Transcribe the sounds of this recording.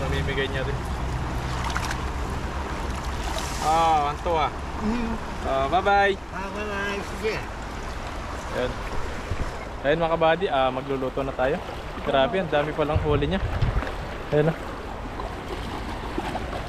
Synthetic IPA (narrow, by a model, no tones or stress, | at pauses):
nɐmiːmɪɡɐjɲɐdɪn | ʔoɐnt̪oa | ʔobabaj | ababajsiɡɛ | jon | ajɐnmɐkɐbaːd̪ɪʔɐmɐɡ̚loloːt̪onɐt̪aːjo̞ | kɐɾaːbɪʔɐnd̪aːmɪpɐlɐŋɦoːlɪɲa | ɐjɐnɐ